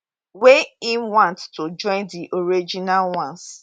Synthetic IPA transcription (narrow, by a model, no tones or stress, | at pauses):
weinwãnttod͡ʒɔ̃ɪ̃ndiʔoɾid͡ʒinalwãns